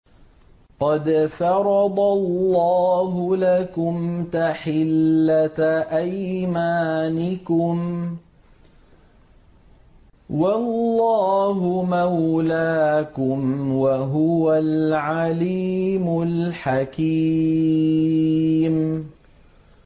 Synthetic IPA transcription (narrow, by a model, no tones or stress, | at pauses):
qɑd̪fɑɾˤɑd̪ˤɑlːɑːɦʊlakʊmt̪aħɪlːaʔajmaːnɪkʊm | walːɑːɦʊmawlaːkʊmwaɦʊwalʕaliːmʊlħakiː | m